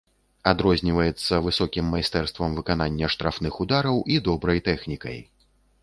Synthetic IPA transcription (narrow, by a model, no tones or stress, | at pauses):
ad̪ɾɔzʲnʲivɐjɛt̪sːɐvɨsɔkʲimːajst̪ɛrst̪vɐmvɨkananʲːɐʂt̪ɾafnɨxud̪aɾɐwʔid̪ɔbɾɐjt̪ɛxnʲikɐ̰j